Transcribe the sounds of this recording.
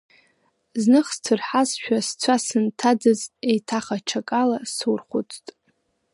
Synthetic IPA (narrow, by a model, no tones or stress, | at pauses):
znɨχstʰɨrħasʃᶣast͡sʷʰasɨntʰad͡zɨzejtʰaχat͡ʃʰakʼalasurχʷʊt͡sʼtʼ